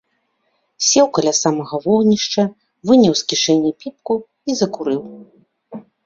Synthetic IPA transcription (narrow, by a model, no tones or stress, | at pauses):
sʲɛwkɐlʲasamɐɣɐvɔɣnʲiʂt͡ʂɐ | vɨnʲɐwskʲiʂɛnʲːipʲip̚ku | izɐkuɾɨw